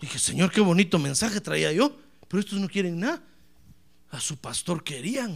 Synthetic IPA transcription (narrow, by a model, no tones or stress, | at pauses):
d̪ixeseɲoɾkeβo̞nit̪omẽnsaxet̪ɾaiajo | peɾoest̪oznokjeɾeŋnaða | asupast̪oɾkeɾiaŋ